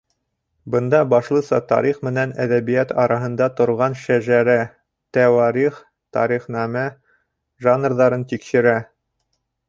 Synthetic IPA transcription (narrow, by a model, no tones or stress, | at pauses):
bɤ̆nd̪ɑbɑʃlˠɤ̆sɑt̪ɑ̰ɾiχmɘ̆nænæ̰ðæβijæt̪ɑɾɑɦɤ̆nd̪ɑt̪ŏɾʁɑnʃæʒæɾæ | t̪æwɑɾiχ | t̪ɑ̰ɾiχnæmæ | ʒanrðɑɾɤnt̪ikʃɘ̆ɾæ